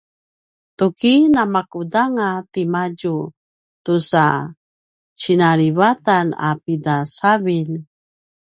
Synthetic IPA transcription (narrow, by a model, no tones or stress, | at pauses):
tukinamakudaŋatimaɟu | tusa | t͡ɕinaɾivatana̰pidasavil